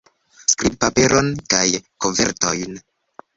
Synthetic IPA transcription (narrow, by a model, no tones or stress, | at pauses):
skɾib̚pape̞ɾʔonkajkoɱve̞̰ɾto̰jn